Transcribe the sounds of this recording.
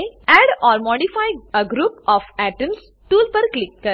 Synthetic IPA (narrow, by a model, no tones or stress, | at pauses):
ɛɖɔːɾmɔːɖifaːjəɡɾuːpɔːfɛʈəms | ʈuːlpəɾklɪkːəɾ